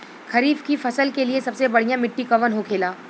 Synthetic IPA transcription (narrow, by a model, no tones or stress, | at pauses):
kʰɐɾiːbkifɐsəlkeliesɐbsebɐɽ̤ijãmɪʈːikɐʋənɦokʰeːlaː